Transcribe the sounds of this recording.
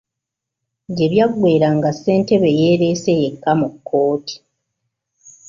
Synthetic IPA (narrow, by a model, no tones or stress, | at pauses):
ɟe̞βjaɡwe̞ːɾaŋɡasːe̞ːnte̞βe̞jeːɾe̞seje̞kːamukʰːo̞ːtʰi̥